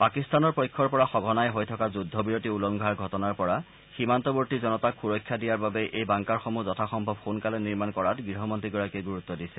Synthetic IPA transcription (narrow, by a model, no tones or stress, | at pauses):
pakistanɔɹpɔjkʰːɔɹpɔɹaxɔɡʱɔnajɦojtʰɔkazudʱːɔbiɹotiulɔŋɡʱaɹɡʱɔtɔnaɹpɔɹa | ximantɔboɹtizɔnɔtakʰxuɹɔkʰːjadijaɹbabɛʔejbaŋkaɹxɔmuzɔtʰaxɔmbʱɔbxonkalɛniɹmankɔɹatɡɹiɦɔmɔntɹiɡɔɹakiɡuɹut̪ːɔdisɛ